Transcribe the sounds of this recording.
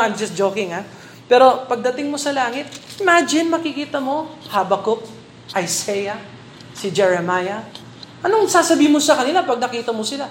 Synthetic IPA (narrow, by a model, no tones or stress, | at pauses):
ãjmd͡ʒɐsd͡ʒoːkɪŋa | pɛːɾo̞pɐɡ̚d̪ɐt̪ɪŋmosɐlaːŋɪt̪̚ʔɪmad͡ʒɪnmɐkɪkiːt̪ɐmo̞habɐkok̚ | ʔɐjsɛjɐ | sɪd͡ʒɛɹɛmajɐ | ʔɐnoŋsaːsɐbiːhmosɐkɐnɪlapɐɡ̚nɐkiːt̪ɐmosɪla